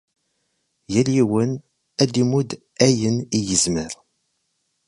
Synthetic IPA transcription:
jæliwən | æd̪imud̪ | æjənijəzməɾ

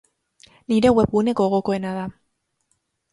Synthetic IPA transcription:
niɾe̞we̞pɣune̞ko̞ɣo̞ko̞e̞nað̞a

